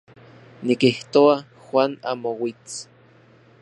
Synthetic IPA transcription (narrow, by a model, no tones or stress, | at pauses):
nikiht̪oa | xwʷanamowit͡s